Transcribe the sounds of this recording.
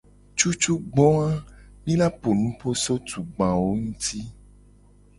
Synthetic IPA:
t͡ʃu˦t͡ʃu˦ɡ͡bɔ˦ã˦mĩ˦la˦po˨nũ˦po˦so˦t̪u˨ɡ͡bã˨wo˦ŋũ˦t̪i˦

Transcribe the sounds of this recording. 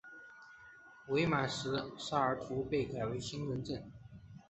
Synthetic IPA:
we˧˥ɪma˨˩ʂɻ̩˧˥ʂa˥ə˞˨˩t̪ʰu˧˥pe˥˩ɪka˨˩ɪwe˧˥ɪɕi˥nɻə˧˥nʈ͡ʂə˥˩n

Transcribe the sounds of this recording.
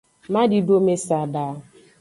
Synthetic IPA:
ma˦dɪ˨do˦me˦sa˨daː˨˦

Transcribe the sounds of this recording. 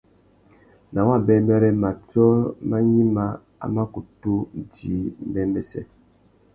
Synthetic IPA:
na˨wa˦˨bɛ˦mbɛ˦ɾɛ˦ma˨t͡sɔ˦ma˦ɲi˦ma˦ | a̰˨˦ma˦ku˨tu˦˨di˨˦m˦bɛ˦mɛ˦sɛ̰˦

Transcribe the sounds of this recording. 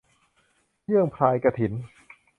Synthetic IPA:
jʰɯ˥˩əŋpʰlaː˧jka˧t̪ʰi˩˦n

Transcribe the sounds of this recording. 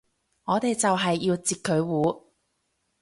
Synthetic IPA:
ŋɔː˨˧t̪e˨jt͡sɐ˨wɦɐ˨jːiː˧wt͡siː˨t̚kʰɵ˨˧ɥwuː˨˥

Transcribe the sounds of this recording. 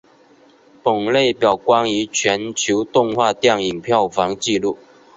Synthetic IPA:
pə˨˩ŋle˥˨ɪpjɑ˨˩ʊkwɑ˥ŋi˧˥˦t͡ɕʰɥɛ˧˦˥nt͡ɕʰjo˧˥ʊt̪ʊ˥˧ŋxwa˥˧t̪jɑ˥˩ŋi˨˩ŋpʰjɑ˥˩ʊfɑ˨˦˥ŋt͡ɕi˥˧lu˥˨

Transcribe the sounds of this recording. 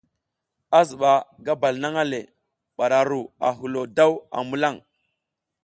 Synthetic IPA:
a˦zu˨ɓa˨ɡa˦ba˨lna˦ŋa˦le˨ | ɓa˨ɾa˨ɾu˨a̰˨ɦu˨lo˨da˦wa̰˨mu˦la˦˨ŋ

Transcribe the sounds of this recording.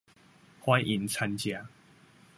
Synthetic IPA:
hwa˦jʔi˨˩nt͡sʰa˧nt͡ɕja˨˦

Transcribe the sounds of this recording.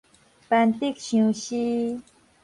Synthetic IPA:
pa˨nt̪e˥k̚ɕo˥˩ɕi˥

